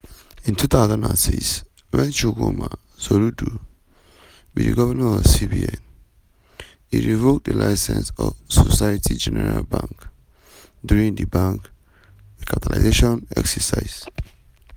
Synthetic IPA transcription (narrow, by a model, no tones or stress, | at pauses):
ĩntʰuθʰaʊzãnãnsiks | wɛ̃nt͡ʃuɡoma | soludu | widiɡɔvɛmɛ̃nɔv̥sibiɛ̃n | iɹivok̚dəlʔaɪsɛ̃nsɔvsɔsaatʰid͡ʒɛnɛɹalbãŋk | djuɹĩŋdibãŋk | ikʰap̚tʰala̰zeʃɔ̃nɛksɛsaɪz̥